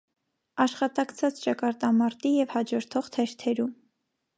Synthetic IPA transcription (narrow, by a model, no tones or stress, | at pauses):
ɑʃχɑt̪ɑkt͡sʰɑt͡st͡ʃɑkɑɾt̪ɑmɑɾt̪ijɛvhɑd͡ʒɔɾt̪ʰɔʁt̪ʰɛʃt̪ʰɛɾum